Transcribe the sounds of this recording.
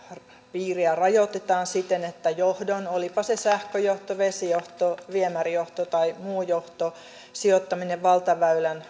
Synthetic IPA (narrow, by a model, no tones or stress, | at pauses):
piːriærɑjot̪et̪ɑːnsit̪ːenet̪ːæjohdonolipɑsesæhkøjoht̪oʋesijoht̪oʋiemærijoht̪ot̪ɑimuːjoht̪o | siot̪ːɑmineʋʋɑlt̪ɑʋæylæn